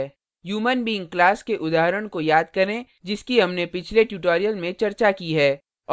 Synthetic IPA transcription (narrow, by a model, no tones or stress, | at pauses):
juːmənbiːŋklaːskeʔʊd̪aːɦɾəɽ̃kojaːd̪̚kɐɾẽ | d͡ʒɪskiɦɐmnepɪt͡ʃʰleʈjuʈoːɾijəlmẽt͡ʃɐɾt͡ʃakiɦɛː | ɔː